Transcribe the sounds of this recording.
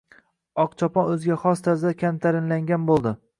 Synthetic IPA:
ɒqt͡ʃʰɒpɒnɵzɡʲaχɒst̪ʰazd̪akʲʰamt̪ʰaɾɪnlaŋɡʲanbolˠd̪ɪ

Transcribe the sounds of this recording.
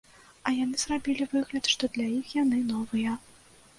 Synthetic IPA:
ɐjanɨz̥rabʲilʲivɨɣlʲɐt̪ʂt̪ɔd̪lʲajixjan̪ɨnɔvɨjɐ

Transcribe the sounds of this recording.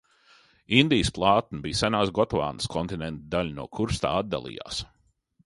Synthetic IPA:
ind̪ijəsplˠɑːt̪̚nibiːsanaːsɡɔt̪va̰ːnəskʰɔnt̪inɛnt̪d̪alʲnuɔkʰuɾst̪a̰ːad̪ːa̰lˠḭːja̰ːs

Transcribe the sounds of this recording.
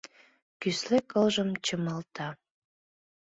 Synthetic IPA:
kyslekɤlʒəmt͡ɕəmɑlt̪ɑ

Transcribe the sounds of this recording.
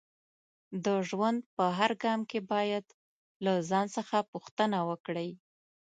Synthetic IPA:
d̪əʒwand̪̚pəɦaɾɡɑmkebɑjad̪ | lazɑnsəxapuxt̪ənawəkɽəj

